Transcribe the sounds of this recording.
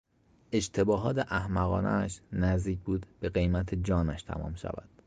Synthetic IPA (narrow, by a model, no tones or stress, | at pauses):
e̞ʃt̪ʰe̞bɒːɦɒːt̪ʰeʔæhmæɣɒ̰ːnʔæ̰ːʃnæzd̪iːc̚ʰbuːd̪b̥e̞ɣe̞jmæt̪ʰed͡ʒɒːnæʃt̪ʰæ̰mɒ̰ːmʃæ̰væ̰d̪̥